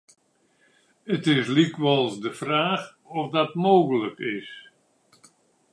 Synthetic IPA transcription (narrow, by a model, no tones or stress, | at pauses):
ətɪslikʋɑlˠzdəfraːx | ɔfdɑtmoːɣələkɪs